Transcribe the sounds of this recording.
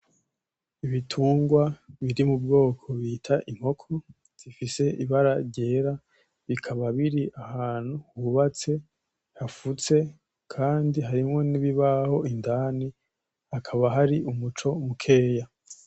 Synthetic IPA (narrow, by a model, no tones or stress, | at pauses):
iβitʰuːŋɡwaβiɾimubɡo̞ːkʰo̞βitʰaʔiŋ̥ho̞kʰo̞ | z̥ifise̞ʔiβaɾaɾɟe̞ːɾa | βikʰaβaβiɾiʔahaːn̥huhuβat͡se̞ | hafut͡se̞ | kʰaːndiɦaɾimŋo̞niβiβaho̞indani | hakʰaβaɦaɾiumut͡ʃo̞mukʰe̞ːja